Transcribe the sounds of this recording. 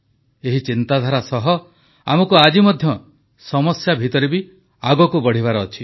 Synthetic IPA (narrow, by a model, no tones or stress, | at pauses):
eɦit͡ʃint̪ad̪ʱaɾasɔɦɔ | a̰mɔkuad͡ʒimɔd̪ʱjɔ | sɔmɔsjabʱit̪ɔɾibi | aɡɔkubɔɽ̤iβaɾɔːt͡ʃʰi̥